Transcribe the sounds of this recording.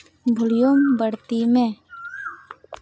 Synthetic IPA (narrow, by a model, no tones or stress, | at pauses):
bʱʊlijombəɽt̪imẽː